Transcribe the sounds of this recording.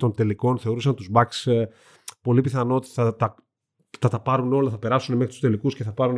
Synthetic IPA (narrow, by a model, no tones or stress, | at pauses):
t̪o̞nt̪e̞liko̞nθe̞o̞ɾusɐnt̪uzbɐks | po̞lipiθɐno̞ot̪i̥θɐt̪ɐ | θɐt̪ɐpɐɾuno̞lɐθɐpe̞ɾɐsune̞mexɾit̪u̥st̪e̞likusce̞θɐpɐɾun